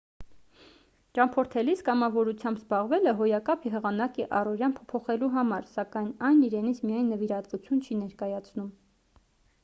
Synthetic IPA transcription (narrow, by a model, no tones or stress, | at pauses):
t͡ʃɑmpʰɔɾt̪ʰɛliskɑmɑvɔɾut͡sʰjɑmbzbɑʁvɛləɦɔjɑkɑpʰiɦəʁɑnɑkiʔɑrɔɾjɑnpʰɔ̥pʰɔχɛluɦɑmɑɾsɑkɑjnɑjniɾɛnit͡sʰmijɑjnːəviɾɑt̪vut͡sʰjunt͡ʃʰinɛɾkɑjɑt͡sʰnum